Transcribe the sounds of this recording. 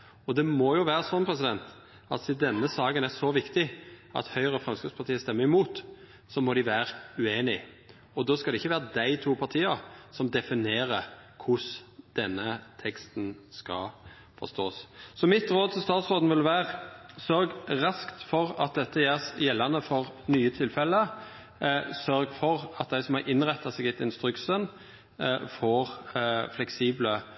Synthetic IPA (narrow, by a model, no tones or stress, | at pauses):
ɔd̪ɛmɔjʊʋæːɾəsɔnpʰɾɛsɪd̪ɛnt̪ | ɑ̰t̪sɪd̪ɛnːəsɑːɡənæsɔʋɪkt̪ɪʔɑ̰t̪hœʏʁəfʁɛmskəspɑɾt̪iːəst̪ɛmːəɾɪmuːt̪ | sɔmɔd̪ɪʋæːɾʉeːnɪ | ɔd̪oːskɑd̪ɛɪçːəʋæːɾəd̪æɪt̪ʰuːpʰɑɾt̪ʰiːəɾsɔmd̪ɛfɪneːɾəkʰʊsd̪̥ɛnːət̪ʰɛkst̪nskɑ̰ | fɔ̰st̪oːssɔmɪt̪ɾoːd̪̚t̪ʰɪlst̪ɑːt̪sʁoːd̪n̩ʋɪlʋæːʁsœɾɡʁɑskt̪fɔɾɑt̪̚d̪ɛt̪ːəjæsjɛlːɑnəfɔʁnyːət̪ʰɪlfɛlːə | sœɾɡfɔʁɑt̪̚d̪æɪsɔmhɑɾʔɪnʁɛt̪ːɑseːɡɛt̪ɪnst̪ɾʉksən | foːʁflɛksiːblə